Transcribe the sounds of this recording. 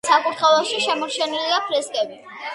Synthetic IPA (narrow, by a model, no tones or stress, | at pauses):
sakʼut̪ʰχɛvɛlˠʃiʃɛmɔɾt͡ʃʰɛniliapʰɾɛskʼɛbi